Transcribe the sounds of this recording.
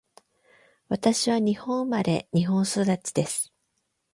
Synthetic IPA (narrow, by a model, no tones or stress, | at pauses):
βat̪aɕiβaɲ̟ihõ̞ɰmaɾe̞̰ɲ̟iɦõ̞ɰ̃so̞d̪at͡ɕi̥d̪esɨ̥